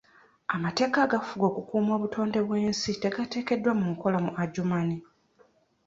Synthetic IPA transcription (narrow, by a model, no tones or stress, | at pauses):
amate̞ːkaːɡafuɡo̞ːkukuːmo̞ːβutʰo̞ːnde̞βwe̞ːnsite̞ɡate̞ːke̞dːwamuŋko̞lamuʔaɟumani